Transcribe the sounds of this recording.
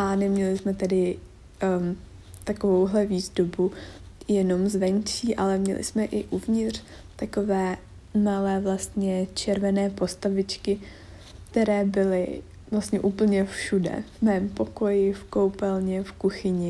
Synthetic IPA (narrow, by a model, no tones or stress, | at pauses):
ʔanɛmɲɛlɪsmɛt̪ɛdɪ | t̪akovowɦlɛviːzdobujɛno̞mzvɛnt͡ʃiːʔalɛmɲɛ̰lʔɪ̰smɛʔɪʔuvɲɪt̪r̝̥ | t̪ako̞vɛː | malɛːvlast̪ɲɛt͡ʃɛɾvɛnɛːpo̞st̪avɪt͡ʃkɪ | kkt̪ɛɾɛːbɪlɪ̰ | vlast̪ɲɛʔuːpl̩ɲɛfʃudɛ̰vmɛːmpo̞ko̞jɪfko̞wpɛlɲɛfkuxɪɲɪ